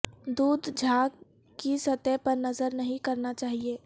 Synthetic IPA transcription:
d̪uːd̪ʱd͡ʒʱaːɡ | kisɐt̪ɛpɐɾnɐzəɾnɐɦĩkɐɾnat͡ʃaːɦieː

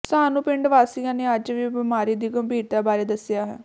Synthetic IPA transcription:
saːnũːpɪɳɖʋaːsijãːneːəd͡ʒʋiːbɪmaːɾiːd̪iːɡəmbʱiːɾt̪aːbaːɾeːd̪əsɪjaːɦɛ̰ː

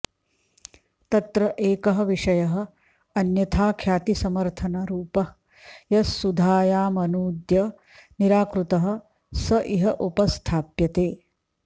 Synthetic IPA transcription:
t̪ɐt̪ɾɐʔeːkɐɦɐ̆ʋiʂɐjɐɦɐ̆ | ɐnjɐt̪ʰaːkʰjaːt̪isɐmɐɾt̪ʰɐnɐɾuːpɐ | jɐsːud̪ʱaːjaːmɐnuːd̪jɐ | niɾaːkɾut̪ɐɦɐ̆ | sɐʔiɦɐʔupɐst̪ʰaːpjɐt̪eː

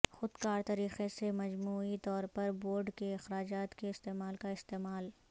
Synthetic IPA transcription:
xʊd̪kaːɾt̪ɐɾiːqesemɐd͡ʒmuːit̪ɔːɾpɐɾboːɾɖkeɪxɾaːd͡ʒaːt̪keɪst̪eːmaːlkaɪst̪eːmaːl

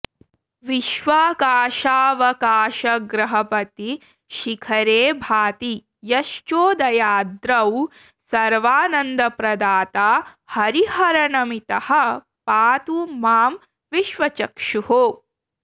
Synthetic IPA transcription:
ʋiʃʋaːkaːʃaːʋɐkaːʃɐɡɾɐɦɐpɐt̪i | ʃikʰɐɾeːbʱaːt̪i | jɐʃt͡ʃoːd̪ɐjaːd̪ɾɐw | sɐɾʋaːnɐnd̪ɐpɾɐd̪aːt̪aː | hɐɾihɐɾɐnɐmit̪ɐhɐ̆ | paːt̪umaːm | ʋiʃʋɐt͡ʃɐkʂuho

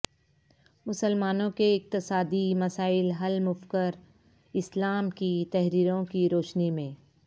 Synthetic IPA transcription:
mʊsəlmaːnõkeɪq̚t̪ɪsaːd̪imɐsaːɪlɦɐlmʊfkəɾ | ɪslaːmkit̪ɛɦɾiːɾõkiɾoːʃnimẽː

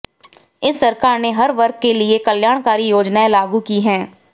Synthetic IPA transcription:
ɪsːɐɾkaːɾneɦɐɾʋɐɾk̚ːkeliekəljaːɽ̃kaːɾijoːd͡ʒnaẽlaːɡukiɦɛ̃ː

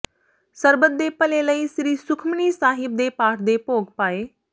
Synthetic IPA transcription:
səɾbət̪̚d̪epəleləiːsɾiːsʊkʰmniːsaːɦɪp̚d̪eːpaːʈʰd̪eːpoːɡpaːeː

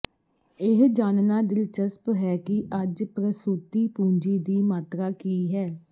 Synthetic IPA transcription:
ɪɦd͡ʒaːnnaːd̪ɪlt͡ʃəspɦɛːkɪʔəd͡ʒpɾəsuːt̪iːpũːɲd͡ʒiːd̪iːmaːt̪ɾaːkiːɦɛː

